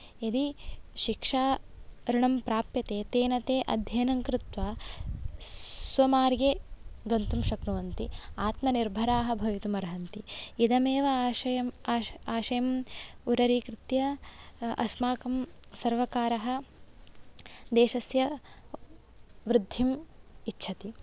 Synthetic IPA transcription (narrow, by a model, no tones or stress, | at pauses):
id̪iʃikʂaːɾiɳɐmpɾaːpjɐt̪eːt̪eːnɐt̪eːʔɐ̰d̪ʱjɐːnɐŋkɾɪt̪ʋaː | sʋɐmaːɾjeːɡɐnt̪umʃɐknuʋɐnt̪iaːt̪mɐniɾbʱɐɾaːɦɐbʱɐʋit̪umɐɾɐɦɐnt̪iid̪ɐmeːʋɐʃɐjɐmaːaːʃɐjɐmuɾɐɾiːkɾɪt̪jɐ | ʔɐ̰smaːkɐmsɐɾʋɐkaːɾɐɦɐ̆ | d̪eːʃɐsjɐ | ʋɾɪd̪ʱːimitːʃʰɐt̪i